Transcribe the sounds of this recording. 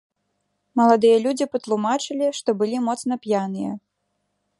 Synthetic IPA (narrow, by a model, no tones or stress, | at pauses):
mɐlˠad̪ɨjɐlʲud͡zʲipɐt̪lˠumat͡ʂɨlʲiʂt̪ɔbɨlʲimɔt̪sn̪ɐpʲjanɨjɐ̰